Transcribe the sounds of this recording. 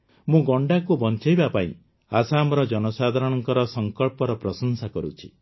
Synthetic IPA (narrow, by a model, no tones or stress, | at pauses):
mũɡɔɳɖakubɔnt͡ʃajbapaḭ̃ | asamɾɔd͡ʒɔnɔsad̪ʱaɾɔɽ̃ɔŋkɔɾɔsɔŋkɔɭpɔɾɔpɾɔsɔnsakɔɾṵt͡ʃʰi̥